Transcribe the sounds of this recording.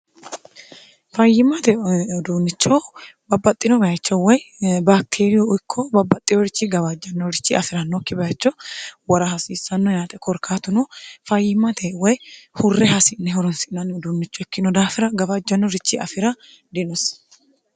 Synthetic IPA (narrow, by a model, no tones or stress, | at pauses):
fɐjːɪmɐt̪ɛɔd̪unːɪt͡ʃːɔbɐbːɐt̪ʼːɪnɔbɐjɐt͡ʃːɔwɔjbaːk̚t̪ʰeːɾɪjɔʊjkʰːɔbɐbːɐt̪ʼːɪjɔɾɪt͡ʃːiɡɐβad͡ʒːɐnːɔɾɪt͡ʃːɪɐfɪɾɐnːɔkːɪbɐjɐt͡ʃːɔwɐɾɐhɐsiːsːɐnːɔjaːt̪ʼɛkʰɔɾkʰaːt̪ʊnɔfɐjːɪmːɐt̪ʰɛwɔjhʊrːɛhɐsɪnːɛhɔɾɔnsɪnɐnːɔd̪uːnːɪt͡ʃːɔɛkːɪnɔd̪aːfɪɾɐɡɐbad͡ʒːɐnːɔɾɪt͡ʃːiʔɐ̰fɪɾɐ | d̪ɪnɔs